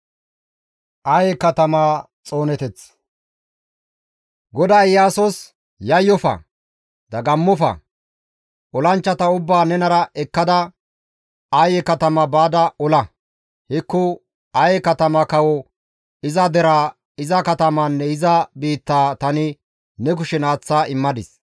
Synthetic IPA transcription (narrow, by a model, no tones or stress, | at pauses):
ʔɐjɛkɐt̪ɐmaː | t͡sʼo̞ːnɛt̪ɛt͡s | ɡɔd̪ɐjːaːsɔs | jɐjːɔfɐ̰ | d̪̥ɐɡɐmːɔfɐ̰ | ʔɔlɐnt͡ʃːɐt̪ɐʊbːaːnɛnɐɾɐʔɛkːɐd̪ɐ | ɐjɛkɐt̪ɐmɐbaːd̪ɐʔɔlɐ | hɪkːʊ | ɐjɛkɐt̪ɐmɐkɐwɔ | ɪzɐd̪ɛɾaː | ɪzɐkɐt̪ɐmɐnːɛɪzɐbiːt̪ːaːt̪ɐnɪ | nɛk̬ʊʃɛnaːt͡sːaːʔɪmːɐd̪ɪs